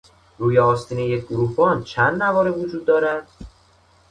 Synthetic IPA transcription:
ɾuːjeɒːst̪ʰiːnejeɡoɾufɒːnt͡ʃʰænd̪nævɒːɾevod͡ʒuːd̪ːɒːɾæd̪̥

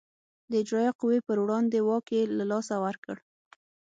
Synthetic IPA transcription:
d̪əɪd͡ʒɾɑjɑqʊwepəɾwɽɑnd̪ewɑkelalɑsawaɾkəɽ

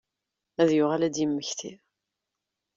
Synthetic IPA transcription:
æðjʊʁalæd̪jəmːəçθi

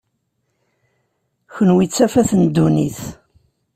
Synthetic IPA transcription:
çənwit͡sːæfæθənd̪ːuniθ

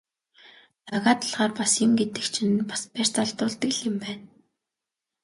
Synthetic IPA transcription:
t̪aɣaːt̪ə̆ɮʁaːrpasɪŋɡet̪ɘ̆kt͡ɕʰinpḁspær̥ʲt͡saɮt̪ʊːɮt̪ə̆kɮɪ̆mpæːn

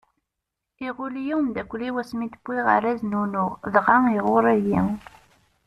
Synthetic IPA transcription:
iʁʊljiwmd̪ækʷliwæsmit̪əbːiʁa̰ɾæznunʊʁðʁaŋiʁʊɾˤæjiŋ

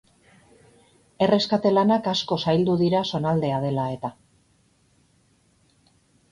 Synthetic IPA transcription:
e̞re̞skat̪e̞lanakasko̞sajld̪uðiɾaso̞nald̪e̞að̞e̞lae̞t̪a

